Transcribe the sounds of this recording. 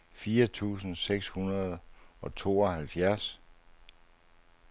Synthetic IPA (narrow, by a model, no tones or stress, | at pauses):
fiːɐt͡sʰṵːsn̩seɡ̥shunɐð̞̩ˠɒ̽t͡sʰo̝̰ːɒ̽hælfjæɐ̰s